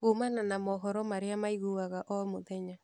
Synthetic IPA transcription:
ɣomananamɔɦɔɾɔmaɾeamaiɣuɣaɣaʔɔmoðɛɲa

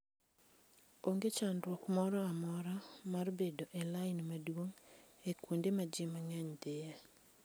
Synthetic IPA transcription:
oŋɡet͡ʃandrwɔkmɔɾɔamɔɾamarbedoʔelaɪnmadwoŋekwondemad͡ʒɪmaŋaɲdeja

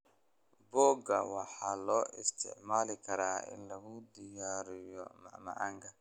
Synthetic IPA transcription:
bɔːɡɐwɑħɑːlɔːʔɪst̪ʰɪ̰ʕmaːlɪkʰɐɾaːɪ̰nlɐɣʊd̪ɪjaːɾɪjɔmɑʕmɐ̰ʕaːŋkʰɐ

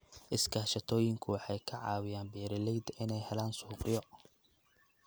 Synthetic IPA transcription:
ʔɪskʰaːʃɐt̪ʰɔːjɪŋkʰʊwɑħɑjkʰɐʕɑ̰ːwɪjaːnbɛːɾɪlɛjd̪ɪnɛjhɛlaːnsuːqʼɪjɔ

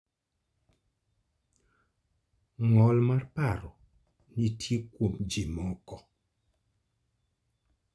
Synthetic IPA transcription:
ŋɔlmarpaɾɔ | nitʰjekwomd͡ʒimɔkɔ

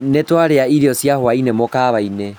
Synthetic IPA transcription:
netwaɾeaiɾeɔsjahoainemokaːβaine

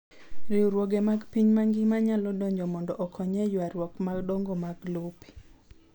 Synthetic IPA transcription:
ɾɪuɾwɔɡɛmaɡpiɲmaŋɡimaɲalɔdɔɲd͡ʒɔmɔndɔʔɔkʰɔɲɛjwaɾwɔkmaɡdɔŋɡomaɡlupi̥

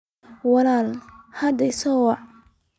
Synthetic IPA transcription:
wɑlaːlhɐd̪ɐsɔ

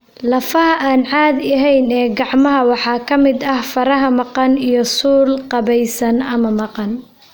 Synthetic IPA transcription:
lɐfɐɦɐʔaːnʕɑːd̪ɐɦɛjnɛːɡɑʕmɐɦɐwɑħɑːkʰɐmɪd̪ɐhfɐɾɐɦɐmɑqɑnijɞsuːlqɑβɛjsɐnɐmɐmɑqɑn

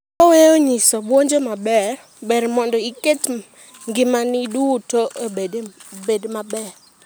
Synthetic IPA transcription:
ɔweoɲisɔbwoɲd͡ʒomabɛr | bɛɾmɔndɔiket | ŋɡɪmanɪdutoʔebebedmabɛr

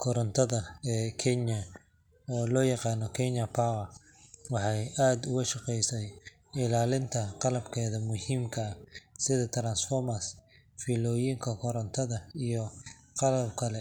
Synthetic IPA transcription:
kʰɔɾɔnt̪ʰɐðɐɛːkʰɛnɐ | ɔːlɔːjɑqɑːnɔkʰɛnjɐpʰaːwɐ | wɑħɑjaːd̪ʊɣɐʃɑqɛjsɛj | ɪlaːlɪnt̪ʰɐqɑlɐbkʰɛːðɐmʊhiːmkʰɐɐsɪðɐt̪ʰɾaːnsfɔrmɐs | fiːlɔːjiːŋkʰɐkʰɔɾɔnt̪ʰɐðɐijɔ | qɑlɐbkʰɐlɛ

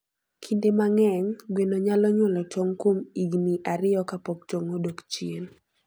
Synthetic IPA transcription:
kʰindemaŋɛŋɡwenoɲalɔɲʊlɔtoŋkomiɡniʔaɾɪɔkapok̚toŋodokt͡ʃjen

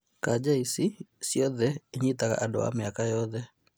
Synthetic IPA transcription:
kad͡ʒaisisjɔðɛɲit̪aka̰ʔadɔ̰wa̰mjakajɔðɛ

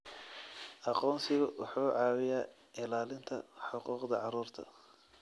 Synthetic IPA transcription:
ʔɑqɔːnsɪɣʊwʊħuːʕɑːwɪjaː | ɪlaːlɪnt̪ʰɐħɑquːqd̪ɐʕɑruːrt̪ʰɐ̰

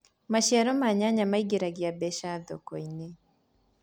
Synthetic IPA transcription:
maʃiaɾɔmaɲaɲamaiɡeɾaɡiabɛʃadɔ̰kɔine

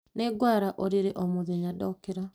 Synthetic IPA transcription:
neɡwaɾaʔɔɾiɾeʔɔmoðeɲadɔkeɾa

